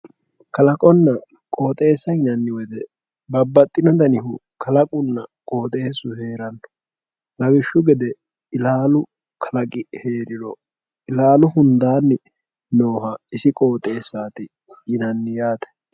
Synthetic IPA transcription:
kɐlɐkʼɔnːɐ | kʼo̞ːt̪ʼe̞ːsːɐhɪnɐnːɪwɔd̪ɛ | bɐbːɐt̪ʼːɪnɔd̪ɐnɪɦʊkʰɐlɐkʼʊnːɐkʼo̞ːt̪ʼe̞ːsːʊhe̞ːɾɐnːɔ̥ | lɐɡɪʃːʊɡɛd̪ɛ | ɪlaːlʊ | kʰɐlɐkʼɪhe̞ːɾɪɾɔ̰ | ɪlaːlʊhʊnd̪aːnːɪ | noːɦɐɪsɪkʼo̞ːt̪ʼe̞ːsːaːt̪ɪ | jɪnɐnːɪjaːt̪ɛ̥

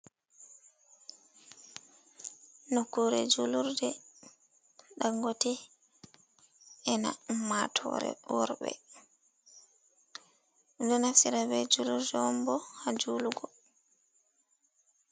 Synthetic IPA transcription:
nokːuɾɛd͡ʒuluɾdɛ | ɗaŋɡɔtɛ | ɛnamatʰɔ̰ːɾɛ̰wɔɾbɛ̰ | dɔnafsiɾabɛd͡ʒuluɾdɛwɔmbɔhad͡ʒuluɡɔ

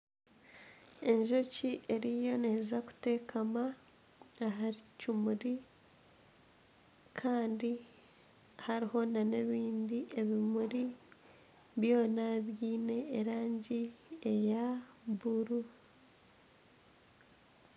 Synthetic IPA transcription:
e̞ɲʒo̞ciʔe̞ɾijo̞neːzaku̥te̞ːkʰamaː | ɦaɾicimuɾi | kʰaːndi | haɾiho̞nane̞βiːndiʔe̞βimuɾi | βjo̞ːnaβjiːne̞ːɾaːɲɟiejaβuɾu

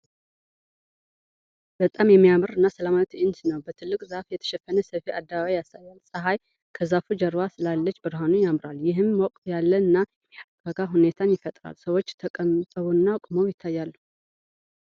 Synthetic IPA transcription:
b̥ət̪ʼamjɛmːijamɨɾɨnːasəlamat̪ʰɪnsnəwbət̪ʰɨlːɨkʼzafjɛt̪ʰə̥ʃɛfːənəsəfiʔad̪ːaβaβajasajːalsʼəɦaj | kʰəzafud͡ʒəɾwasɨlalːət͡ʃːbɨɾɦanujamɾaljɪɦɨmːwɔkʼt̪ʰjalːəɨnːaɛmiaɡaɡaɦune̞t̪ʰanjɪfət̪ʼɾa̰lsəwo̞t͡ʃːt̪ʰəkʼəmt̪ʼəβuɨnːakʼməwjɪt̪ʰːajːalː

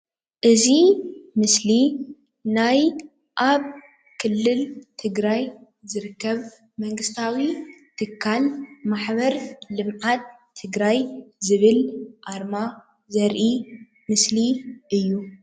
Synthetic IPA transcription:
ʔɨzimɨsli | naj | ʔaβ | kʰɨlːɨlt̪ʰɨɡɾaj | zɨɾɨkːɐβ | mɐŋɡɨst̪ʰawit̪ʰɨkʰːalmaħβɐɾlɨmʕat̪̚ʰː | ɨɡɾajzɨβɨlʔaɾma | zɐɾʔi | mɨsliʔɨjːu

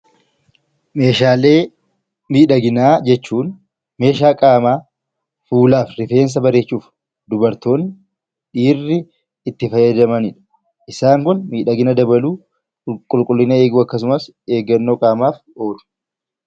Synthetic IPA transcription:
me̞ːʃaːle̞ː | miːᶑɐɡɪnaːd͡ʒɛt͡ʃːuːn | me̞ːʃaːkʼaːmaː | fuːlaːfɾɪfe̞ːns̬ɐbɐɾe̞ːt͡ʃːuːf | d̪ʊbɐɾt̪o̞ːn | ᶑiːrːɪː | t̪ːɪfɐjɐd̪ɐmɐnɪᶑɐ̥ | ʔɪsaːŋkʊnmiːᶑɐɡɪnɐd̪ɐbɐluː | kʼʊlkʼʊlːɪnɐe̞ːɡuːɐkːɐs̬ʊmɐs | e̞ːɡɐnːoːkʼaːmaːf | o̞ːᶑʊ̥

